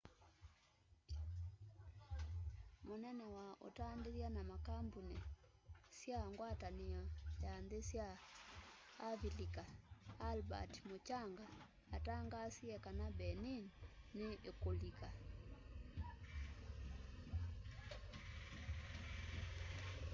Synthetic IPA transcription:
monɛnɛwaʔo̰taːndeɾianamakambuni | sjaŋɡwataniɔjandesja | vilikaːlba̰tmot͡ʃaŋɡaː | taŋɡasiɛkanabɛninneʔekolika

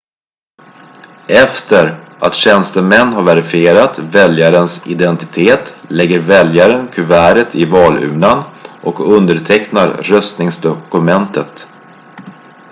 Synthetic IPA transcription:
ɛft̪əɾʔat̪ɕɛnst̪əmɛnːɦaɾvɛɾɪfɪeːɾat̪vɛljaɾənsɪ̰d̪ɛnt̪ɪ̥t̪ʰeːt̪lɛɡːəɾvɛljaɾənkʰɵvæːɾət̪ʰɪvɑːlʉ̟̰ːnanʔɔkɵnd̪əʈʰɛknaɾɾœst̪nɪŋsd̪ɔkɵmɛnt̪ʰət̪

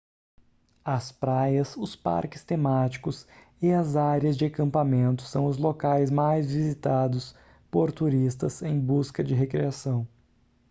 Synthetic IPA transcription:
ɐspɾajɐsʊspa̰ɾkɪst̪emat͡ʃi̥kʊs | ɪɐzaɾiɐzd͡ʒɪakɐ̃mpamẽnt̪ʊ̥sɐ̃w̃ʊzlokajzmajzvizit̪ad̪ʊs | poɾt̪uɾist̪ɐsẽj̃buskɐd͡ʒɪɦekɾiasɐ̃w̃

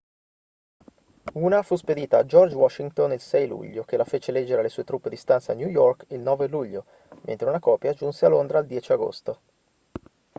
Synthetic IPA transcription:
uːnafusped̪iːt̪aːd͡ʒɔrd͡ʒwɔʃːiŋt̪onilsɛjlṵʎːok̟elafeːt͡ʃelɛd͡ʒːeɾealesuːet̪ɾupːed̪ist̪ansaanjujɔrkilnɔːveluʎːo | mḛnt̪ɾeunakɔːpjad͡ʒunsealːond̪ɾaːld̪jɛːt͡ʃiaɡo̰st̪o

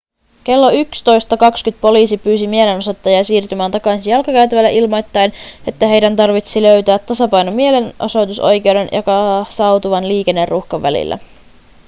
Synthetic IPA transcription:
k̟e̞lːoykst̪o̞jst̪ɑkɑkskyt̪̚po̞liːsipyːsimie̞le̞nosot̪ːɑjɑsiːrt̪ymæːnt̪ɑkɑsijɑlkɑkæɥt̪æʋælːeʔilmo̞jt̪ːɑjne̞t̪ːæɦe̞jdænt̪ɑrʋit̪silø̞ɥt̪æːt̪ːɑsɑpɑjnomie̞le̞nʔoso̞jt̪uso̞jk̟e̞wde̞njokɑsɑwt̪uʋɑnliːke̞nːe̞rːuxkɑʋːæ̰lḭlːʔæ̰

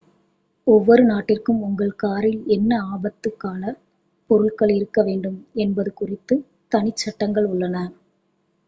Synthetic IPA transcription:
ɔʋːɔɾɯnaːʈːɪrkɯmʊŋɡɐɭkaːɾɪlɛnːɐaːbɐt̪ːɯkːaːlɐ | pɔɾɯɭkɐɭɪɾɯkːɐʋeːɳɖɯmɛnbɐðɯkʊrɪt̪ːɯ | t̪ɐnɪt͡ʃːɐʈːɐŋɡɐɭʊɭːɐnɐ

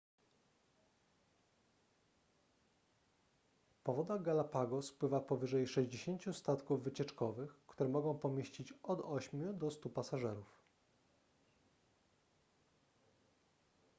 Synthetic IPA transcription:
pɔvɔd̪aɡalapaɡɔspwɘvapɔvɘʐɛjʂɛʑd͡ʑeɕeɲʲt͡ɕust̪at̪kuvːɘt͡ɕɛt͡ʂkɔvɘxkt̪uɾɛmɔɡɔ̃w̃pɔmʲjeɕt͡ɕit͡ɕɔd̪ɔɕmʲjud̪ɔst̪upasaʐɛɾuf

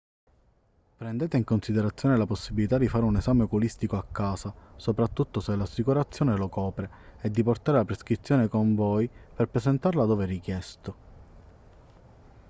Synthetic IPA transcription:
pɾɛnd̪eːt̪eiŋkonsid̪eɾat̪sjoːnelaposːibːilit̪ad̪ifaːɾeunezaːmekulist̪ikoakːaːsasopɾat̪ːut̪ːoselːasːikuɾat̪sːjoːnelokɔːpɾe | ɛd̪ːiport̪aːɾelapɾeskɾit̪sːjoːnekoɱvoːjperpɾezent̪arlad̪oːverikjɛst̪o

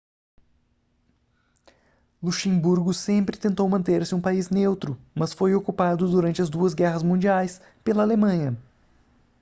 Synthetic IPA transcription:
luʃẽbuɾɡʊsẽmpɾɪt̪ẽnt̪owmɐ̃nt̪eɾsɪũpaiznewt̪ɾʊmɐsfojokupad̪ʊd̪uɾɐ̃nt͡ʃɪɐzd̪uɐzɡɛɦɐzmũnd͡ʒiajs | pelɐaːlemɐ̃ɲɐ

